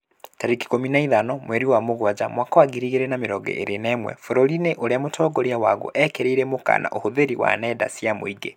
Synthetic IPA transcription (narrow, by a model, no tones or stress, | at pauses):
taɾiki̥kominaiðanɔmwɛɾiwamoɣwad͡ʒamwakawaɡiɾiɣeɾenameɾɔɡɛ̰ʔeɾʔenɛːmwɛ̰foɾɔlineʔoɾeamotʰɔɡoɾiawaɣo̰ʔɛkeɾeiɾemoka̰nʔa̰ʔohoðeɾiwa̰nɛda̰sjamo̰iɡe